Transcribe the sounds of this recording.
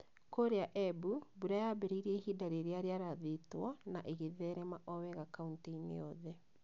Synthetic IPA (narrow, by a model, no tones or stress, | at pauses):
koɾeaʔɛbubuɾajaːbɛɾiiɾɛhidaɾeɾeaɾeaɾaðetwɔnaʔeɣeðɛɾɛmaʔɔwɛɣakaunteinḛɔðɛ